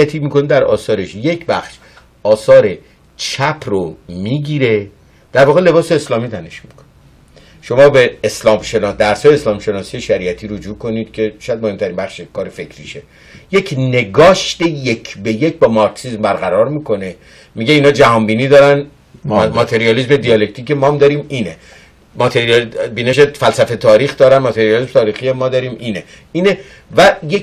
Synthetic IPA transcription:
æt̪ʰiːmiːkonid̪æɾɒ̰ːsɒːɾe̞ʃje̞cʰbæxʃ | ɒːsɒːɾe̞ | t͡ʃʰæpʰɾomiːɟiɾe̞ | d̪̥æɾvɒːɣele̞bɒːse̞ːslɒːmit̪ʰæne̞ʃmikʰo̥n | ʃo̞mɒːbe̞ːslɒːmʃe̞nɒːsd̪æɾsɒːjeːslɒːmʃe̞nɒːsije̞ʃæɾiʔæt̪ʰiːɾod͡ʒuːkʰo̞niːd̪̥cʲʰe̞ʃjæd̪̚mohe̞mt̪ʰæɾiːnbæχʃekʰɒːɾefe̞kʰɾiʃe | je̞cʰne̞ɡɒːʃt̪ejekʰbeje̞cbɒːmɒɾksizmbæɾɣæɾɒɾmiːko̞ne̞ | miɟe̞iːnhɒːd͡ʒæhɒːnbiːniːd̪ɒːɾæn | mɒt̪ʰe̞ɾiɒlizme̞d̪iɒle̞k̚t̪ʰiːcemɒːmd̪ɒɾiːmiːne | mɒt̪ʰeɾibiːne̞ʃefælsæfe̞t̪ʰɒːɾiːxd̪ɒːɾænmɒt̪ʰe̞ɾijɑlismt̪ʰɒːɾiːxiemɒːd̪ɒːɾiːmʔiːne̞ | iːne | væje

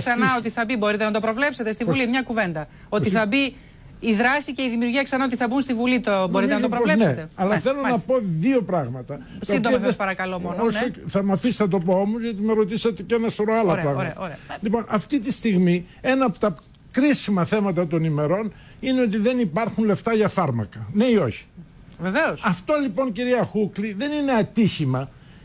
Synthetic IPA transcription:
sɐnɐot̪iθɐbibo̞ɾit̪e̞nɐt̪̬o̞pɾo̞vle̞pset̪e̞st̪ivulimɲɐkuve̞nd̪ɐ | o̞iθɐbi | iðɾɐsice̞iðimiuɾʝiɐksɐnɐo̞t̪iθɐbunst̪ivulit̪obo̞ɾit̪nɐt̪pɾoolenet̪eɐlɐθelo̞nɐpo̞ðio̞pɾɐɣmɐt̪ɐ | sɐind̪oiɐespɐɾɐkɐlomonosoθɐmɐfisθɐt̪o̞poomozʝɐt̪̬imeɾo̞t̪isɐt̪ecenɐsoɾoɐlɐɾpɾɐɣɾɐlipo̞nʔɐft̪it̪ist̪iɣmi | enɐːpot̪ɐ | kɾisimɐθe̞mɐt̪ɐt̪o̞nime̞ɾo̞n | ine̞o̞t̪̬iðe̞nipɐɾxunle̞ft̪ɐʝɐfɐɾmɐ̰kɐne̞io̞çi̥ | veveosɐft̪o̞lipo̞nciɾiɐxukliðe̞nine̞ɐt̪içimɐ

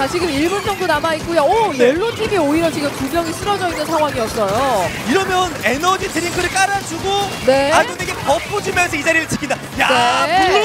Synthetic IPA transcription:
kat͡ɕiɡɯmiɭbunsʰʌŋdonamaik̚k͈ojaʌjeɭːotʰiɡioiɾʌt͡ɕiɡɯmkumjʌŋis͈ɯɾʌd͡ʑʌinːɯnsʰaŋɦwaŋiʌs͈ʌjo | iɾʌmjʌnenʌd͡ʑitɯɾinkʰɯɾɯɭk͈aɾad͡ʑuɡone̞aɭod̪eiɡepʌpʰːod͡ʑumjʌnsʰʌid͡ʑaɾiɾɯɭt͡ɕi̥kʰinda | janei

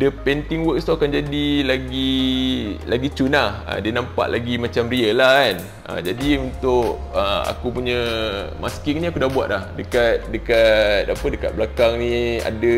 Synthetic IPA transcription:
dəpɛnt̪ɪŋwəkst̪uakand͡ʒadilaɡi | laɡit͡ʃunlahə̰diənampa̰ʔlʔaɡimat͡ʃamriəlahan | a̰d͡ʒadiunt̪ʊkəa̰kupuɲə̃maskɪŋnĩakudabua̰t̪̚lahdəkat̪̚dəkat̪̚apədəka̰t̪̚blakaŋnĩa̰də

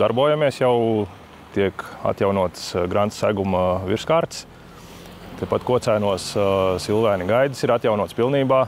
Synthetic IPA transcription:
d̪aɾbuːjamiɛsjaw | t̪iɛka̰t̪jawnuɔt̪sɡɾant̪sæ̰ɡumvʲiɾskaːɾt̪s | t̪ɛpat̪kuɔt̪sæjnuɔssilˠʋæːnʲiɡajd̪isiɾat̪ʲjawnuɔt̪spilˠniːbaː

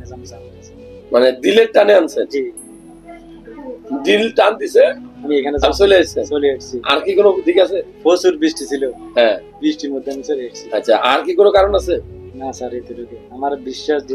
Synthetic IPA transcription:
ezamsa | maned̪ileɾʈaneansei | ɖilʈand̪iseamiekʰanezabsoliasesolieʈsʰia̰ɾkikonod̪ʱikaseposuɾbisʈisiloɦɛ̃bɾisʈimod̪ʱːeamiseɾeksatːɕʰaʔa̰ɾkikonokaɾonase | nasaɾet̪eɾot̪eamaɾbiʃːaʃd̪i

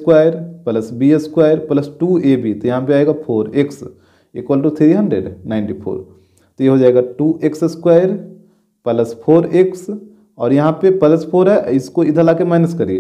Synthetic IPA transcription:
kwaːjəɾpɐləsbiəskwaːjəɾpləsʈuːebʱit̪ojɐɦãpeaːeːɡapʰoːɾɪks | ɪkwaːlʈ̬ut̪ʰɾiɦɐ̃ɳɖɾḛɖnaːɪnʈipʰo̰ːɾ | t̪ojeɦod͡ʒaːeːɡaʈuːʔeksəskwaːjəɾ | pələspʰoːɾeks | ɔːɾjɐɦãpepɐləspʰoːɾɦɛɪskoɪd̪ʱəlaːkemɛɦnəskɐɾiḛː

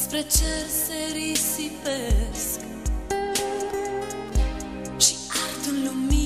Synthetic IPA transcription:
spɾet͡ʃeɾseɾisipesk | ʃi̥alt̪ullumi

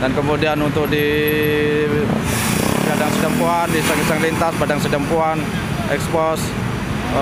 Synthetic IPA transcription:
dankəmudianunt̪ʊk̚di | adaŋsədəmpuandisaŋisaŋlint̪asbadaŋsədəmpuan | ɛ̰kspɔs

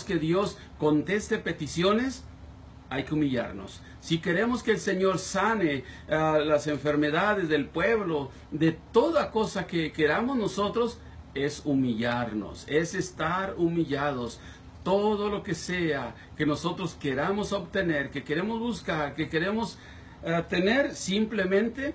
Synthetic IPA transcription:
ske̞ðjo̞s | ko̞nt̪e̞st̪e̞pe̞t̪isjo̞ne̞s | ajkeumiʎa̰ɾno̰sː | ike̞ɾe̞moskeːlse̞ɲo̞ɾsane̞ | alase̞ɱfe̞ɾme̞ðaðe̞zðe̞lpwe̞βlo̞ | ðe̞t̪o̞ðako̞sake̞ke̞ɾamozno̞so̞t̪ɾo̞s | e̞sumiʎaɾno̞̰se̞se̞st̪aɾumiʎað̞o̞s | t̪o̞ðo̞lo̞ke̞se̞a | ke̞no̞so̞t̪ɾoske̞ɾamo̞so̞βt̪e̞ne̞ɾke̞ke̞ɾe̞mozβuskaɾke̞ke̞ɾe̞mo̞s | at̪e̞ne̞ɾsimple̞mẽ̞nt̪e̞

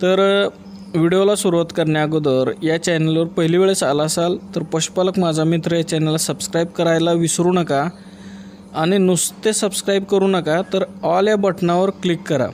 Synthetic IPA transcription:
t̪əɾ | ʋiɽiolasuɾuʋat̪kəɾɳjaɡod̪əɾjat͡ɕɛnelʋəɾpəɦiliʋeɭesalasalt̪əɾpəɕu̥paləkmad͡zʱamit̪ɾəjat͡ɕɛnelːasəbskɾaib̚kəɾajlaʋisɾuːnəka | ɽ̃inust̪esəbskɾaibkəɾuːnəkat̪əɾɔljabəʈnaʋəɾklikːəɾa̰

